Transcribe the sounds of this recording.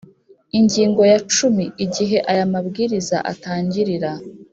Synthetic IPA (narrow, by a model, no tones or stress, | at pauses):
iɲɟiːŋɡo̞jat͡ʃumiiɟiɦe̞ʔajamabɡiːɾiza̰ʔa̰taːɲɟiɾiɾa